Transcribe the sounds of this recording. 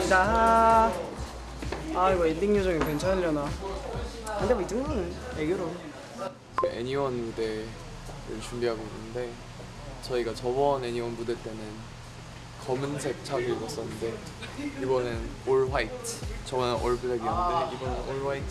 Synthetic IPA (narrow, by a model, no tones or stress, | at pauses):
t͡ɕa | aiɡʌindiŋɲod͡ʑʌŋekwe̞nt͡ɕʰanɾjʌna | kɯndebʌid͡ʑɯŋɡuɯnɯneɡjoɾon | t͡ɕeʔḛɲiwʌnmude̞ | ɾɯ̰ɭt͡ɕumbiɦaɡoinːɯnde̞ | t͡ɕʌiɡat͡ɕʌbʌne̞ɲiwʌnmude̞t͈e̞nɯn | kʌmɯnsʰe̞k̚t͡ɕʰaɡɯɭɡʌs͈ʌnːɯnde̞ | ibʌnɯn | oɭwaitʰɯ̥t͡ɕʌbʌnɯnʔoɭbudeɡimudeibʌnɯnoɭwaitʰ